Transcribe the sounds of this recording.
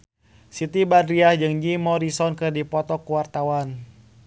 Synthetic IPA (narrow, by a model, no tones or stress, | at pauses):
sit̪ibadɾiahd͡ʒɨŋd͡ʒimɔɾisɔnkɨrdipɔt̪ɔkuwart̪awan